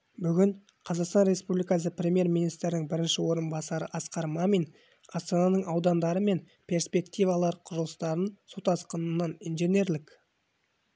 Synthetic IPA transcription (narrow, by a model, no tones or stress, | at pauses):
bʏɡʲɪɴ | qʰɑzɑqst̪ɑnɾe̞spublijkɑs̬əprʲe̞mʲje̞ɾminijst̪ɾɪnɪŋbɪɾɪnʃɪwo̞ɾənbɑsɑɾə̰ʔɑsqɑɾmɑmin | ɑst̪onɑnəɴɑwd̪ɑnd̪ɑɾəme̞n | pʲʰe̞rspʲe̞kt̪ijvɑlˠɑɾqʰʊʒəlˠəst̪ɑɾənsot̪ɑsqənənːɑninʒenʲe̞ɾlɪk